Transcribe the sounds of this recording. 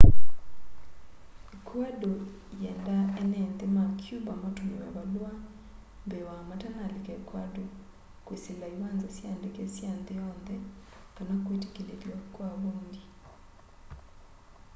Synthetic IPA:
ekwado | jɛːndaɛnɛnðemakʰjubamotonewa̰βalwa | mbewamatanalekɛkwado | kweselaiwanzasjandekesjanðejɔnðɛ | kanakwete̥keleljakwaβoːndi

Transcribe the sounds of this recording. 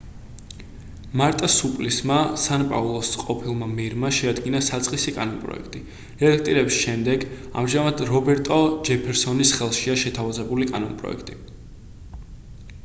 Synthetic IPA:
maɾt̪ʼasupʼlismasanpʼa̰vlˠɔsqʼɔpʰilˠmamɛɾmaʃɛad̪ɡinasat̪sʼqʼisikʼanɔnpʼɾɔ̰ɛ̰kʰt̪ʼi | ɛlak̚ʰt̪ʼiɾɛbisʃɛmd̪ɛɡa̰mʒamad̪ɾɔbɛɾt̪ʼɔd͡ʒɛpʰɛɾsɔnisχɛlˠʃiaʃɛt̪ʰavazɛbulikʼa̰nɔnpʼɾɔ̰ɛ̰kʰt̪ʼi

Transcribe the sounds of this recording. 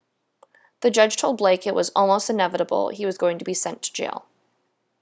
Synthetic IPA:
ðɨd͡ʒʌdd͡ʒ̥tʰoʊlˠd̚bleɪkɨʔ̚wʌzɔ̰lˠmoʊstɨ̃nɛvɨɾəbl̩̰ˠiwʌzɡoʊɪ̃ŋtʰɨbisɛ̃ntʰɨ̥d͡ʒḛɪlˠ

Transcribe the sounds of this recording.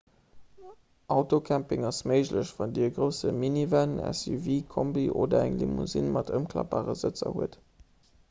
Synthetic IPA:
ʔɑʊtokʰæmpɪŋɑsməɪʑləɕvɑndiəɡʁəʊsəminivænæ̰syviːkʰombiʔoːdɐæŋlimuzinmɑtʰəmkʰlɑ̰baːʁəzət͡sɐ̰huət

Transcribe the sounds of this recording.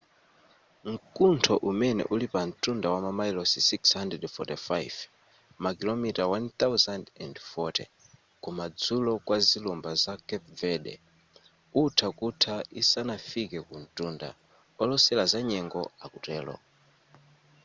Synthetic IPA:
ŋ̩kuntʰɔʔumɛnɛ̰ʔulipan̩tʼundawamamajlɔsisikshandɛdfɔtɛfajv | makilɔmitawant̪awzandɛ̰ndfɔtɛ̰ | kumad͡zulɔkwazilumbazakɛp̚vɛdɛ̰ | utʰakutʰaisanafikɛkun̩tʼunda̰ | ɔlɔsɛlazaɲɛŋɡɔakutɛːlɔ̰

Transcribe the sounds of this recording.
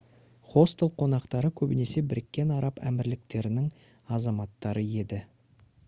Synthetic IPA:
χo̞st̪elˠqʰo̞nɑqt̪ɑɾəkʲʰɵbɪne̞se̞bɪɾɪkʲːe̞nɑɾɑpæ̰mɪɾlɪk̚t̪e̞ɾɪnɪŋ | ɑzɑmɑt̪ːɑɾəje̞d̪ɪ

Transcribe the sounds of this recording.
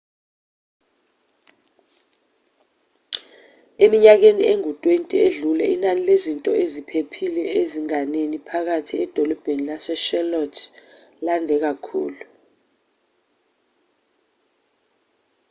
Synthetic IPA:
emiɲak̬enieŋutʼwentʼieɮulɛʔinanilezintʼɔezipʰepʰilɛeziŋanenipʰak̬atʰiɛd̥ʱɔlɔb̥ʱenilasɛʃɛlɔtʰ | landʱɛk̬akʰṵːlu

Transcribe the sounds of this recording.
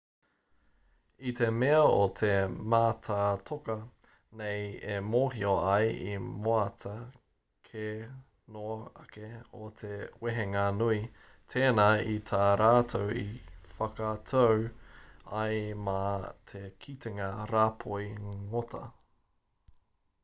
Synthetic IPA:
it̪ʰemeɐot̪ʰemaːtʰatʰokɐ | nejemoːɦioɐjḭmoɐtʰɐ | kʰe | noɐkeot̪ʰeweɦeŋanui | t̪ʰeːnait̪ʰaɾaːtʰowifɐkɐtʰow | ɐjmɐt̪ʰekʰit̪eŋɐɾaːpʰojŋotʰɐ̰

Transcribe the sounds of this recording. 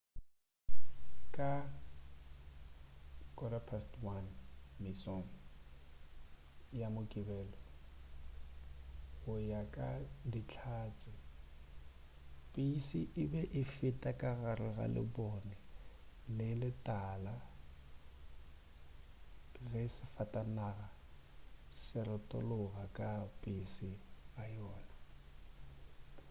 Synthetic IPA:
kʼa | kʼɔɾapʰastwanmisɔŋ̩ | jamʊkʼɪbɛːlɔ | ɣʊjakʼadit͡ɬʰaːt͡sʼɪ | pʼisiʔɪbɛʔɪfɪtʼakʼaɣaɾɪɣa̰lɪ̰bɔnɪlɪlɪtʼala | ɣɛsɪfatʼanaɣa | sɪɾɪtʼɔ̰lʊɣakʼapʼɪsɪajɔːna

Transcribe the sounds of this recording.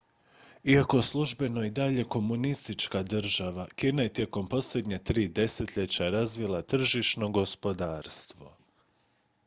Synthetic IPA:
iako̞slˠuʒbe̞no̞id̪aʎe̞ko̞munist̪it͡ʃkad̪r̩ʒaʋakiːnaje̞t̪je̞ko̞mpo̞sle̞d̪ɲet̪ɾiːd̪e̞set̪ʎet͡ɕaɾazʋilˠat̪r̩ʒiʃno̞ɡo̞spo̞d̪aːɾst̪ʋo̞̰

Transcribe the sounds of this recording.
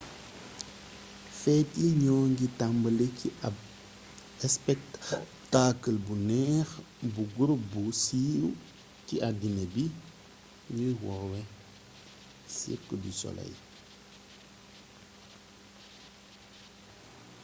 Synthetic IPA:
fɛtiɲɔːŋɡitambəlekia | ɛspɛk̚ | taːkəlbunɛːx | buɡuɾbusiw | ciʔadinebi | ɲujwɔwɛ | sḭkːədisɔ̰lɐ̰j

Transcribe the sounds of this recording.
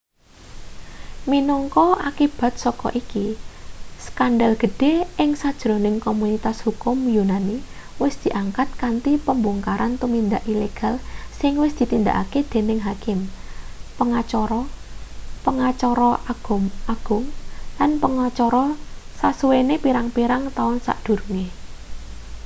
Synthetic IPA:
minɔŋkɔakib̥a̤t̪̚sɔkɔ̰ʔiki | skanɖalɡ̥ə̤ɖ̥e̤ɪŋsad̥ʒ̥ɾonɪŋkomunit̪ashukʊmjunani | wɪsd̪̥i̤ʔaŋkat̪̚kant̪ipəmbuŋkaɾant̪umind̪aʔileɡ̥a̤lsɪŋwɪsd̪̥i̤t̪ind̪a̰ʔa̰ked̪̥e̤nɪŋɦakɪm | pəŋat͡ʃɔɾɔ | pəŋat͡ʃɔɾɔʔaɡ̥ʊmaɡ̥ʊŋlanpəŋat͡ʃɔɾɔsaswenepiɾaŋpiɾaŋt̪aʊnsa̰ʔd̪̥ṳrŋe

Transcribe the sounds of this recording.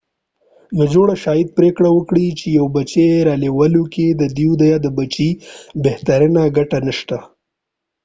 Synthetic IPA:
nad͡ʒoɽaʃɑjid̪̚pɾekɽawəkɽit͡ʃejawbat͡ʃeɾɑlewəloked̪əd̪iwd̪ajad̪əbat͡ʃibeht̪aɾənaɡaʈanəʃt̪a

